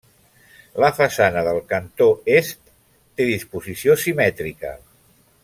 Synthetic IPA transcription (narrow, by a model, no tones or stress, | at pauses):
ləfəsanəðəlˠkənt̪oest̪ː | eðispuzisiosimɛt̪ɾikə̰